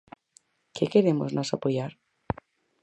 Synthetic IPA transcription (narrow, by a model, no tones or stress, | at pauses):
kekeɾemoznosapojaɾ